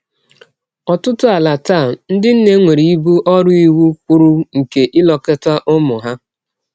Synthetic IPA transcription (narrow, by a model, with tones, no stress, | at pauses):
ɔ˨tʊ˦tʊ˦a˨la˨taː˦˨n̩˦dɪ˦n̩˦ne˦ŋʷe˨ɾi˨i˦bu˦ʔɔ˦ɾʊ˦i˦wu˦k͡pʊ˦ɾʊ˦ŋ̩˨ke˨ʔɪ˦lɔ˨ke˦ta˦ʔʊ˦mʊ˨ɦa˦